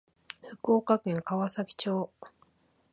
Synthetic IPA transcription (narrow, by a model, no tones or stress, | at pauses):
ɸɯ̟koːkakẽ̞ŋkaβasakʲi̥t͡ɕo̞ː